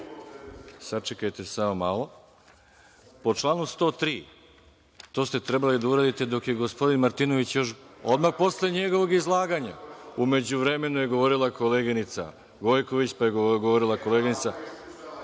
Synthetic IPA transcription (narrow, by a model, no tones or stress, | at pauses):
sat͡ʃekajt̪e̞samomaːlˠo̞ | po̞t͡ʃlˠaːnust̪o̞ːt̪ɾiː | t̪o̞ːst̪e̞t̪ɾe̞balid̪auɾaːd̪it̪e̞d̪o̞kje̞ɡo̞spo̞d̪inmaɾt̪ino̞ʋit͡ɕjo̞ʃo̞d̪maxpo̞sleɲe̞ɡo̞ʋo̞ɡizlˠaːɡaːɲa̰ume̞d͡ʑuʋɾe̞me̞nujeɡo̞ʋo̞ɾilˠakʰo̞leɡinit̪sa̰ | ɡo̞jkoʋit͡ɕpajeɡɡoʋo̞ɾilˠakoleːɡinit̪sa